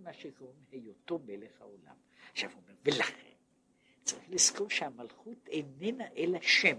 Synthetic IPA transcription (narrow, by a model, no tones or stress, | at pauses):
maʃekaomehejot̪obeleχaola̰m | aʃavomeʁvelaχḛm | t͡saʁiχliskoʁʃeamalχut̪eninaʔelaʃem